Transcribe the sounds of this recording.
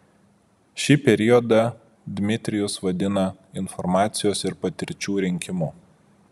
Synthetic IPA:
ʃʲɪpʲɛɾʲɪɔd̪ɐ | d̪ʲmʲɪt̪ʲɾʲɪjʊsʋɐd̪ʲɪnɐ | ɪnfɔɾmɑːt̪sʲɪjoːsɪɾpɐt̪ʲɪɾʲt͡ʃʲuːɾʲɪŋʲkʲɪmʊ

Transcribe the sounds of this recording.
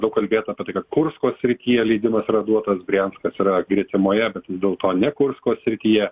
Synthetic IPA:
d̪ɐʊkɐlʲbʲeːt̪ɐːpʲiɛt̪ɐɪkɐt̪̚kʊrskoːsʲsʲɾʲɪt̪ʲiːjɛlʲɛɪd̪ʲɪmɐsiɾɐd̪uɔt̪ɐsɡrʲænskɐsiɾɐɡrʲiɛt̪ʲɪmoːjɛbʲɛt̪d̪ʲeːlˠt̪oːnʲɛkʊrskoːssʲɾʲɪt̪ʲiːjɛ

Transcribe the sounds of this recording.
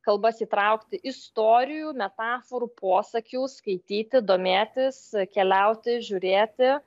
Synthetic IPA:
kɐlˠbɐsiːt̪ɾɐʊkt̪ʲɪʔɪst̪oːɾʲɪjuːmʲɛt̪ɑːfoɾuːpʰoːsɐkʲuːskɐɪt̪ʲiːt̪ʲɪd̪oːmʲeːt̪ʲɪskʲɛlʲɛʊt̪ʲɪʒʲʊɾʲeːt̪ʲɪ

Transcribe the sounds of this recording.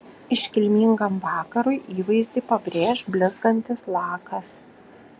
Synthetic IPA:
ɪʃʲkʲɪlʲmʲiːŋɡɐmʋɑːkɐɾʊɪʔiːʋɐɪzʲd̪ʲɪpɐbʲɾʲeːʃbʲlʲɪzɡɐnʲt̪ʲɪslˠɑːkɐs

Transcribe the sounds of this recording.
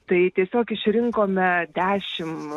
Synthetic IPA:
t̪ɐɪt̪ʲiɛsʲoːkɪʃʲɾʲɪŋkoːmʲɛd̪ʲæːʃʲɪm

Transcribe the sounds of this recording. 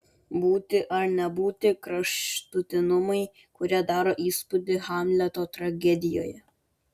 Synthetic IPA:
buːt̪ʲɪʔɐɾnʲɛbuːt̪ʲɪkɾɐʃt̪ʊt̪ʲɪnʊmɐɪ | kʊɾʲæd̪ɑːɾoʔiːspʊd̪ʲɪhɑmʲlʲɛt̪ɔt̪ɾɐɡʲɛd̪ʲɪjo̰ːjɛ

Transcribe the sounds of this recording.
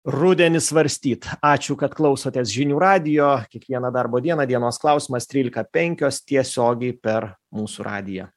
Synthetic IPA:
rʊd̪ʲɛnʲɪsʋɐɾʲsʲt̪ʲiːt̪ɑːt͡ʃʲʊkɐt̪klˠɒʊsoːt̪ʲɛsʒʲɪnʲuːɾɑːd̪ʲɪjoːkʲiɛkʋʲiɛnɐd̪ɐɾboːd̪ʲiɛnɐd̪ʲiɛnoːsklˠɐˑʊsʲiːmɐst̪ʲɾʲiːlʲɪkɐpʲɛŋʲkʲoːst̪ʲiɛsʲoːɡʲɛɪpʲɛɾmuːsuɾʔɑ̰ːd̪ʲɪjɛ̰

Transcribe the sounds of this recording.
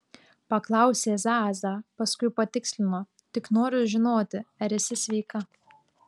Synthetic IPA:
pɐklˠɑˑʊsʲeːzɑːzɑːpɐskʊɪpɐt̪ʲɪksʲlʲɪnoː | t̪ʲɪknoːɾʲʊʒʲɪnoːt̪ʲɪɐɾʲɪsʲɪsʲʋʲɛɪkɐ

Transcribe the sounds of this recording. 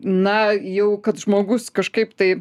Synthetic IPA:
nɐjɛʊkɐt̪ʒmoːɡʊskɐʃkɐɪpt̪ɐɪ

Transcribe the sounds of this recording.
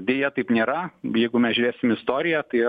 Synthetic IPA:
d̪ʲeːjɛt̪ɐɪpnʲeːɾɐjɛɪɡʊmʲɛsʒʲʊɾʲeːsʲɪmɪst̪oːɾʲɪjæt̪ɐɪ

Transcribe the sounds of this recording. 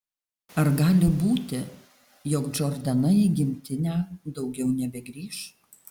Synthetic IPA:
ɐɾɡɑːlʲɪbuːt̪ʲɪ | jɔkd͡ʒɔɾʲd̪ʲɐnɐiɡʲɪmʲt̪ʲɪnʲæːd̪ɒʊɡʲɛʊnʲɛbʲɛɡɾʲiːʃ

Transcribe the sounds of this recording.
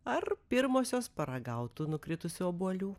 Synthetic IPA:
ɐrpʲɪɾmoːsʲoːspɐɾɐɡɐʊt̪uːnʊkɾʲɪt̪ʊsʲʊɔːbuɔlʲuː

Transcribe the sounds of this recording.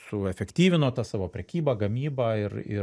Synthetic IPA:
sʊɛfʲɛkt̪ʲiːʋʲɪnoːt̪ɑːsɑːʋoːpʲɾʲɛkʲiːbɑːɡɐmʲiːbɐːɪrɪ̰

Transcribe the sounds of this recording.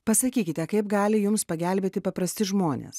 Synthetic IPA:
pɐsɐkʲiːkʲɪt̪ʲɛkɐɪpɡɑːlʲɪjʊmspɐɡʲæˑlʲbʲeːt̪ʲɪpɐpɾɐsʲt̪ʲɪʒmoːnʲḛːs

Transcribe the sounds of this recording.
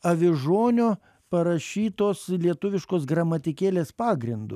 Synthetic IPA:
ɐʋʲɪʒoːnʲoː | pɐɾɐʃʲiːt̪oːslʲiɛt̪ʊʋʲɪʃkoːsɡɾɐmɐt̪ʲɪkʲeːlʲeːspɑːɡɾʲɪnd̪ʊ̰

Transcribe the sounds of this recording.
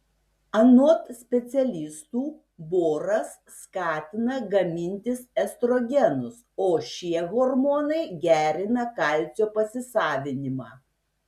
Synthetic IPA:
ɐnuɔt̪sʲpʲɛt̪sʲɛlʲɪst̪uː | boːɾɐsːkɑːt̪ʲɪnɐɡɐmʲɪnʲt̪ʲɪsɛst̪ɾoːɡʲɛnʊs | oːʃʲiɛɣɔɾmoːnɐɪɡʲæːɾʲɪnɐkɐˑlʲt͡s̪ʲoːpɐsʲɪsɑːʋʲɪnʲɪmɑː

